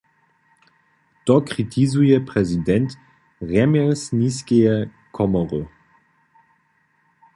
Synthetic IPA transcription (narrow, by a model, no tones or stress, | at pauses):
tɔkʁ̥itʰizujɛpʁɛzidɛnt | ʁɛmɛlsniskɛjɛ | kʰɔmɔʁə